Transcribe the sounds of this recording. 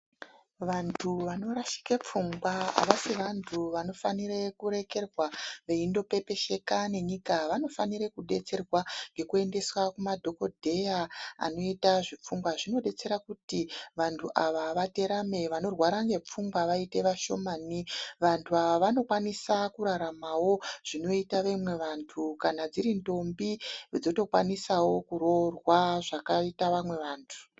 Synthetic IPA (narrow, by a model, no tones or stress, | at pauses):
ʋantʰuʋano̞ɾaʃi̥kep͡fuŋɡwaa̰ʋasiʋantʰuʋano̞fanirekuɾe̞ke̞rwaʋe̞indo̞pe̞pe̞ʃe̞kane̞ɲikaʋano̞faniɾekuɗe̞t͡se̞rwaŋɡe̞kue̞nde̞swakumadʱo̞ko̞dʱe̞jaa̰no̞itaʐip͡fuŋɡwaʐino̞ɗe̞t͡se̞ɾakutiʋantʰuʔaʋaʋate̞ɾame̞ʋano̞rwaɾaŋɡe̞p͡fuŋɡwaʋaite̞ʋaʃo̞maːniʋantʰuaʋaʋano̞kwanisakuɾaɾamawo̞ʐ̥ino̞itaʋemwe̞ʋantʰukanad͡ziɾindo̞mbiod͡zo̞to̞kwanisawo̞kuɾo̞rwaʐakaitaʋamwe̞ʋaːntʰu̥